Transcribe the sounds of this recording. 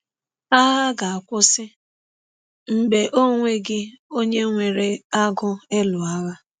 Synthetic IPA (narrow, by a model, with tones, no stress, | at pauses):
a˦ɣa˦ɡa˨a˨kʷʊ˦sɪ˦ | m̩˦be˨ʔo˦ŋʷe˦ɡɪ˦ | o˦ɲe˦ŋʷe˨ɾe˨a˦ɡʊ˦e˦lʊ˨a˦ɣa˦